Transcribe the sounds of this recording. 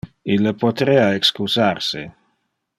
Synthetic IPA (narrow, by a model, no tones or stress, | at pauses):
ilːəpot̪ɾeːaekskusarse